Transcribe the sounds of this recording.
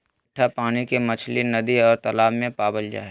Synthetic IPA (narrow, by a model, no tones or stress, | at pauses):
ʈʰːapaːnikemɐt͡ʃʰlinɐd̪iɔːɾt̪ɐlaːbmẽpaːbəld͡ʒa̰ː